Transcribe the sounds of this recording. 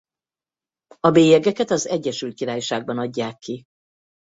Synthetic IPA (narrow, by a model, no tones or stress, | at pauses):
ɒbeːjɛɡɛkɛt̪ɒzɛɟːɛʃylt̪̚kiɾaːjʃaːɡ̚bɒnɒɟːaːkʰːi